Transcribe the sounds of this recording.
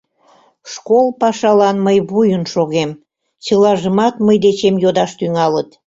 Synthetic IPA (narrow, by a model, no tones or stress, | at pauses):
ʃkolˠpɑʃɑlɑnməjβujənʃoɣem | t͡ɕəlɑʒəmɑt̪məjd̪et͡ɕemjod̪ɑʃt̪yŋɑlət̪